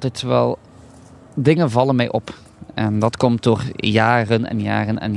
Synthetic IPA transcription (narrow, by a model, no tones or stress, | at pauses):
tɛtːʋɛ̰lˠ | dɪŋənvɑlənmɛjʔɔp | ɛndɑtkɔmt̚doːrjaːrənɛ̰nja̰ːrənɛ̰n